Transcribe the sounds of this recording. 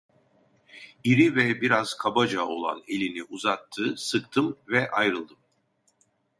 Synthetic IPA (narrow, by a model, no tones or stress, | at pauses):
iɾivɛbiɾaz̥kʰabad͡ʒao̞̰lˠa̰ne̞lʲiniʔuzat̪ʰːɯsɯkt̪ʰɯmvɛʔajɾɯlˠd̪ɯm